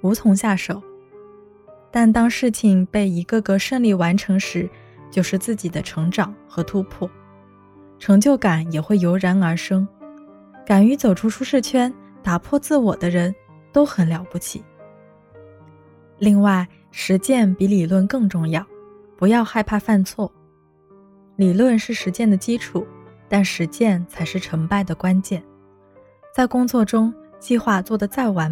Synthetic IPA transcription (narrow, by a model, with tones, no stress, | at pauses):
u˧˥t͡sʰʊ˧˥ŋɕja˥˩ʂo˨˩˦ʊ | t̪a˥˩nt̪ɑ˥ŋʂɻ̩˥˩t͡ɕʰi˨˩ŋpe˥˩ɪi˧˥ɡə˥˧ɡə˧ʂə˥˧ŋli˥˩wa˧˥nʈ͡ʂʰɤ˧˥ŋʂɻ̩˧˥ | t͡ɕjo˥˧ʊʂɻ̩˥˧t͡sɹ̩˥˩t͡ɕi˨˩d̪ə˦ʈ͡ʂʰɤ˧˥ŋʈ͡ʂɑ˨˩˦ŋxɤ˧˥t̪ʰu˥pʰwɔ˥˩ | ʈ͡ʂʰɤ˧˥ŋt͡ɕjo˥˩ʊka˨˩˦njɛ˨˩xwe˥˩ɪjo˧˥ʊɻa˧˥nə˞˧˥ʂɤ˥ŋ | ka˨˩ny˧˥t͡so˨˩ʊʈ͡ʂʰu˥ʈ͡ʂʰu˥ʂɻ̩˥˩t͡ɕʰɥɛ˥n | t̪a˨˩pʰwɔ˥˧t͡sɹ̩˥˩wɔ˨˩d̪ə˦ɻə˧˥n | t̪o˥ʊxə˨˩nljɑ˧˥ʊpu˥˩t͡ɕʰḭ˨˩˦ | li˥˧ŋwa˥˩ɪ | ʂɻ̩˧˥t͡ɕjɛ˥˩npi˧˥li˨˩lwə˥˧nkɤ˥˧ŋʈ͡ʂʊ˥˧ŋjɑ˥˩ʊ | pu˧˥jɑ˥˧ʊxa˥˧ɪpʰa˥˧fa˥˧nt͡sʰwɔ˥˩ | li˨˩lwə˥˧nʂɻ̩˥˩ʂɻ̩˧˥t͡ɕjɛ˥˩nd̪ə˩t͡ɕi˥ʈ͡ʂʰu˨˩˦t̪a˥˩nʂɻ̩˧˥t͡ɕjɛ˥˩nt͡sʰa˧˥ɪʂɻ̩˥˩ʈ͡ʂʰɤ˧˥ŋpa˥˩ɪd̪ə˩kwa˥nt͡ɕjɛ˥˩n | t͡sa˥˩ɪkʊ˥ŋt͡swɔ˥˩ʈ͡ʂʊ˥ŋt͡ɕi˥˧xwa˥˧t͡swɔ˥˩d̪ə˩t͡sa˥˩ɪwa˧˥n